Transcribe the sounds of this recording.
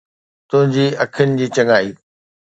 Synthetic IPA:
t̪ʊɦɪ̃ɲd͡ʑiːɐkʰənɪ̆d͡ʑiːt͡ɕɐŋaːiː

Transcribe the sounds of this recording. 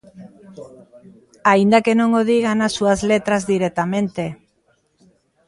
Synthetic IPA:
aind̪akenõŋoð̞iɣanasːuazlet̪ɾazðiɾɛt̪amẽnt̪e

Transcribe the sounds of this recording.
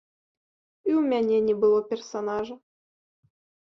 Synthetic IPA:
iumʲanʲenʲebɨlˠopʲersɐnɑʐɨ

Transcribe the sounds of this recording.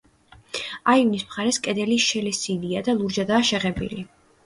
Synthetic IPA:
aivnismχaɾɛskʼɛd̪ɛliʃɛlɛsid̪iad̪alˠuɾd͡ʒad̪aːʃɛʁɛbḭli

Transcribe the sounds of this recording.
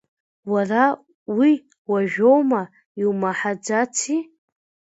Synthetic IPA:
wara | wi | waʒᶣo̞wma | iwmaħad͡zat͡sʰi

